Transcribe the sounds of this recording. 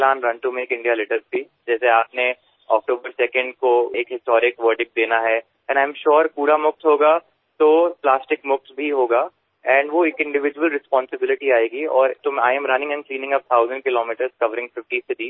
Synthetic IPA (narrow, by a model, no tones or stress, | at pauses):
lãːnɾɐ̃nʈumẽekɪ̃ɳɖijalɪʈəɾzt̪i | d͡ʒɛːseaːpne | ɔ̰ːk̚ʈoːbəɾsɛkə̃ɳɖkoeːkɦɪsʈɔːɾɪkʋəːɾɖɪk̚d̪eːnaɦɛ | ɛ̃ɳɖãːɪ̃mʃoːɾpuːɾamʊkt̪ɦoːɡa | t̪oːplaːsʈɪkmʊkt̪ʰbʱiɦoːɡaː | ɛ̃ɳɖʋoeːkɪ̃ɳɖɪʋɪd͡ʒʋəlɾɪspɔ̃ːnsɪbɪlɪʈiaːeːɡiɔːɾt̪oaːɪɛ̃mɾɐnɪ̃ŋɛ̃nklĩːnɪ̃ŋɡɐp̚t̪ʰaːʊzə̃ɳɖkɪloːmiːʈəɾz̥kɐʋəɾɪ̃ŋɡfɪfʈised̪iː